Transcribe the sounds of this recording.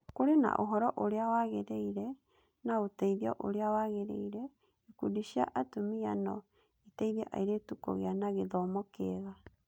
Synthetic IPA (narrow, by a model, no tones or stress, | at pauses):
koɾena̰ʔoɦɔɾɔʔoɾeawaɣeɾeiɾɛ | naotaiðjɔ̰ʔoɾeawaɣeɾḛiɾɛ | ekudiʃia̰ʔatomianɔ | itaiðɛʔa̰iɾetukɔ̰ɣeanaɣeðɔmɔkeɣa